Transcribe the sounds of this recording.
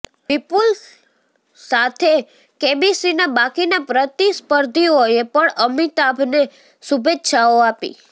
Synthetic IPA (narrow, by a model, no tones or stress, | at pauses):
bipul | sat̪ʰe | kebisinabakinapɾət̪ispəɾd̪ʱioepəɳəmit̪abʱne | subet̪ːʃaoapḭ